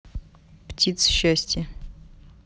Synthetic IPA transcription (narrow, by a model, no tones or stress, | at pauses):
ptʰʲit̪sɕːasʲtʲɛ